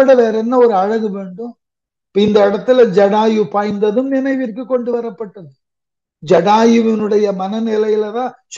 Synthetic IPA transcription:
ɐɽɐʋeːɾɛnːɐɔɾɯɐɻɐɣɯʋeːɳɖɯm | pːɐɪnd̪ɐɪɽɐt̪ːɪlɐd͡ʒɐɽaːjɯpaːjnd̪ɐðɯmnɪnɐɪʋɪɾkːɯkːɔɳɖɯʋɐɾɐpːɐʈːɐðɯ | d͡ʒɐɽaːjɯʋɪnɯɽɐjɐmɐnɐnɪlɐjɪlɐðãː | t͡ʃ

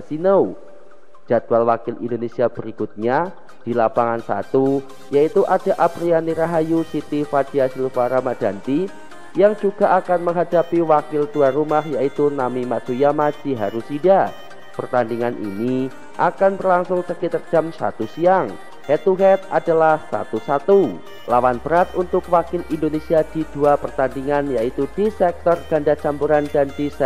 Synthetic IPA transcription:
sinəu | d͡ʒ̥ad̥ualwakɪlḭndonesiabəɾikut̪̚ɲa | d̥ilapaŋansa̰t̪u | jait̪uʔad̥a̤ʔapɾianiɾaɦajusit̪ifad̥iasilfaɾamad̥a̤nt̪i | jaŋd͡ʒuɡ̥a̤ʔakanməŋɦadapiwakɪlduaɾumahjait̪unamimasujamad͡ʒiɦaɾusida | pərt̪andiŋanʔḭni | ʔakanbərlaŋsʊŋsəkit̪ərd͡ʒ̥amsa̰t̪usiaŋ | hɛt̪uɦɛt̪̚a̰dalahsa̰t̪usat̪u | lawanb̥əɾat̪unt̪ʊkwakɪlindonesiad̥id̥uapərt̪andiŋanjait̪ud̥isɛk̚t̪ɔrɡ̥andat͡ʃampuɾandandisɛ

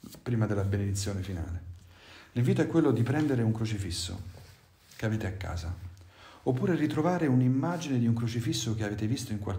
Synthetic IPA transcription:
pɾiːmad̪elːabened̪it̪sːjoːnefina̰ːleliɱviːt̪oɛkːwelːod̪ipɾɛnd̪eɾeuŋkɾot͡ʃifisːo̰ | keaveːt̪eakːa̰ːza | opːuːɾerit̪ɾovaːɾeunimːaːd͡ʒined̪iuŋkɾot͡ʃifisːokeaveːt̪evist̪oiŋkwa̰l

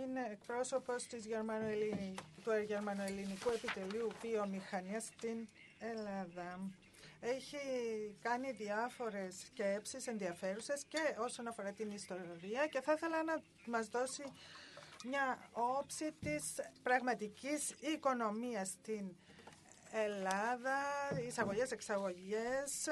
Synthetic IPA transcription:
ineːkpɾo̞so̞po̞st̪izʝe̞ɾmɐnot̪uʝe̞ɾmɐnoelinikue̞pit̪e̞liuvio̞mixɐniɐst̪in | e̞lɐðɐ | e̞çikɐniðiɐfo̞ɾe̞sce̞psise̞nðiɐfe̞ɾuse̞sce̞o̞so̞nɐfo̞ɾɐt̪inist̪o̞ɾiɐce̞θɐθe̞lɐnɐ | mɐzðo̞si | mɲɐo̞psit̪ispɾɐɣmɐt̪icisiko̞no̞miɐst̪in | e̞lɐðɐisɐɣo̞ʝe̞se̞ksɐɣo̞ʝes

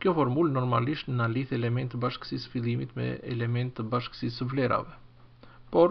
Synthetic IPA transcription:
kjɔfɔɾmulnɔɾmaliʃt̪naliθɛlɛmɛnt̪baʃkə̥sisfilˠimit̪mɛ̰ɛ̰lɛmɛnt̪əbaʃksisəvlɛɾa̰vɛ | pɔɾ

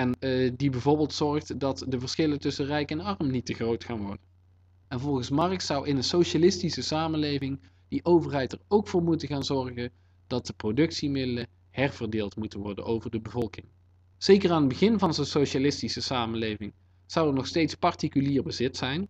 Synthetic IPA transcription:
ɛndibɛjvoːɹbɪːlˠtsɔɹχtdɑtdəvəɹsxɪləntɵsənrɛjkɛnɑrmnitəχrowtxaːnʋɔɹdən | ɛnvɔlˠɣənsmɑrək̚sʌwʔɪnənsoʃalɪstisəsaːmənlejvɪŋ | d̥iʔowvərɦɛjtərowkfʊːɹmutəɣaːnzɔɹχən | d̥ɑt̚dəprodɵksimɪdələ | hɛrv̥ərdɪːlˠtmutənʋɔɹdə̰nʔowvərdəbəvɔlˠkɪŋ | z̥ejkəraːnədbəɣɪnvɑnzonsoʃalɪstisəsaːmənlejvɪŋ | z̥ʌwəɹnɔxstejtspɑɹtikyliːɹbəzɪtsɛjn

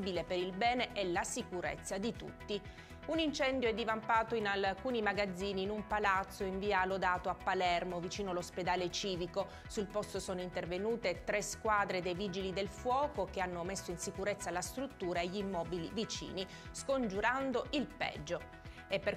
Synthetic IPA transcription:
bilepeɾilbɛːneʔɛlasikuɾḛt̪sːad̪it̪ṵt̪ːi | unint͡ʃɛnd̪joɛd̪ːivampaːt̪oinalkuːnimaɡad̪zːiːniːnumpalat̪sːoiɱviːalod̪aːt̪oapːalɛrmovit͡ʃiːnoalosped̪aːlet͡ʃiːviko | sulpɔst̪osoːnoint̪ervenuːt̪et̪ɾeskwaːd̪ɾed̪ejviːd͡ʒilid̪elfwɔːkok̟eanːomesːoinsikuɾet̪sːalast̪ɾut̪ːuːɾaeʎːimːɔːbilḭvit͡ʃḭːni | skond͡ʒuɾand̪oʔilpɛ̰d͡ʒːo | epːer

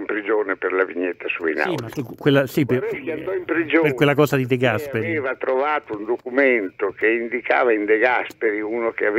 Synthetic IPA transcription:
mpɾid͡ʒoːnepeɾlaviɲːet̪ːasuḭnaimaskːwelːasipand̪ɔimpɾid͡ʒoperkwelːakɔːsad̪id̪eɡaspeɾieːvat̪ɾovaːt̪ound̪okument̪okeind̪ika̰ːvaind̪eɡaspeɾiuːnokeav

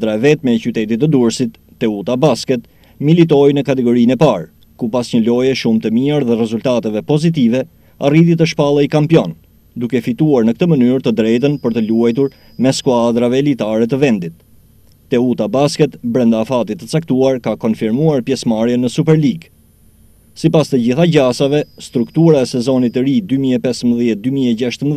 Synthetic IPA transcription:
d̪ɾaɛvɛt̪mɛt͡ɕyt̪ɛt̪it̪əd̪uɾsit̪ːɛut̪abaskɛt̪ | milit̪̬ɔjnəkat̪ɛɡɔɾinɛpaɾ | kupasɲəlɔjɛʃumt̪əmiaɾðɛrɛzult̪at̪ɛvɛpɔzit̪ivɛ | a̰riðit̪əʃpalˠajkampjɔn | d̪ukɛfit̪uaɾnək̚t̪əmənyɾt̪əd̪ɾɛjt̪̬ənpəɾt̪əluajt̪uɾ | mɛskuad̪ɾavɛːlit̪aɾɛt̪əvɛnd̪it̪̚ː | ɛut̪abaskɛt̪bɾɛnd̪aːfat̪it̪ət͡sak̚t̪uaɾkakɔnfiɾmuaɾpjɛsmaɾjɛnəsup̬ɛɾliɡ | sipast̪əd͡ʑiθaɟasavɛst̪ɾukt̪uɾaɛsɛzɔnit̪əɾid̪ymiɛpɛsəmbəðjɛt̪̚d̪ymiɛɟaʃt̪əm

